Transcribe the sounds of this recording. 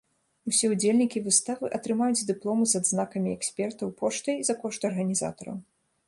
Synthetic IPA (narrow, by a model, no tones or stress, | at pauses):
usʲɛud͡zʲelʲnʲikʲivɨst̪avɨʔɐt̪ɾɨmajud͡zʲd̪ɨplˠɔmɨzɐd̪znakɐmʲiɛksʲpʲɛrt̪ɐwpɔʂt̪ɐjizɐkɔʂt̪ɐrɣɐnʲiza̰t̪ɐɾɐ̰w